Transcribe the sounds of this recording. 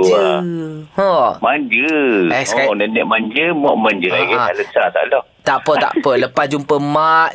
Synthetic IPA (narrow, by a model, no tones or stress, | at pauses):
ahɔmaɲd͡ʒəɛskaɔnənəʔmaɲd͡ʒəmɔʔmãɲd͡ʒəlaɡɛ̃aləsat̪a̰ʔlɔht̪aʔpət̪a̰ʔpələpasd͡ʒumpəmaʔ